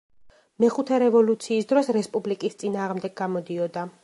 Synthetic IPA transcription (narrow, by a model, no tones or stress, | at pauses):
mɛχut̪ʰɛɾɛvɔlut̪sʰiːsd̪ɾɔsɾɛspʼublikʼist̪sʼinaːʁmd̪ɛɡɡamɔd̪iɔd̪a